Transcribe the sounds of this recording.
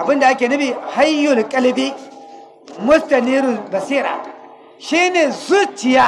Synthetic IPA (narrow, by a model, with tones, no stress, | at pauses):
ʔa˨bɪ˦nda˨ʔa˦kʲeː˨nɐ˦ɸiː˨ha˦jːʊ˨lkʼɐ˦lbi˦ | mʊ˦stɐ˨niː˦ɾʊ˨bɐ˨siː˦ɾa̰ː˨ | ʃiː˦neː˨zu˦t͡ʃɪ˨jaː˦